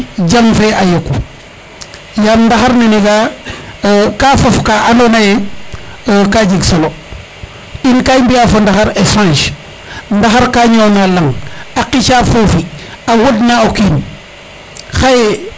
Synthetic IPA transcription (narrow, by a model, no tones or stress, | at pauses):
d͡ʒamfeajokːu | jamndaxaɾneniɡa | kafofkaʔːnonaje | kad͡ʒiɡsolo | inkajmbiafondaxaɾefɾãnʃ | ndaxaɾkaːɲoːnalaŋaqit͡ʃaːfofiawodnaokiːn | xaje